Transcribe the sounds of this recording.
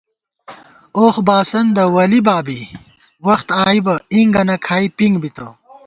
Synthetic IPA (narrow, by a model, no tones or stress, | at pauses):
oːxbaːsɐnd̪ɐwɐlibaːbi | wɐxt̪aːibɐiŋɡɐnɐkʰaːipiŋɡbit̪ɐ̰